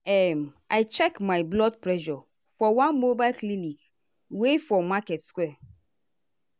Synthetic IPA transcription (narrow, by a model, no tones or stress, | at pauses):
ɛm | aɪt͡ʃɛkmaɪblɔd̚pɹɛʃɔ | fɔwãnmobaɪlklinik | wefɔmakɛtskwɛ